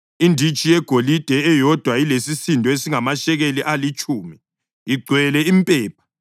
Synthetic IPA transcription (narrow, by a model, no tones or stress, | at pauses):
indʱit͡ʃʼijɛɡ̥ʱolid̥ʱɛɛjɔd̥ʱwailesisindʱɔesiŋamaʃɛɣeliʔalit͡ʃʼuːmi | iɡ͡ǀʱwɛlɛimpʼɛːp̚ʰḁ